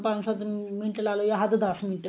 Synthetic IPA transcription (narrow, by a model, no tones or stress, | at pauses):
pansat̪miɳʈelalojaɦad̪ed̪asminʈ